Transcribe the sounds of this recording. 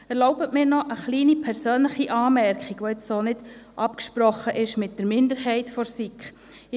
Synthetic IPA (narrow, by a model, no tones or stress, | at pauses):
ɛɾloʊbətmɪːɾnɔʔəχliːnipʰɛɾsøːnləχiʔɑːmɛɾkχiɡʋoɪt͡ssoːnɪd̥ʔɑpkʃpɾɔχːəʔɪʃmɪt̚d̥əɾmɪndəɾɦɛɪtfɔɾsik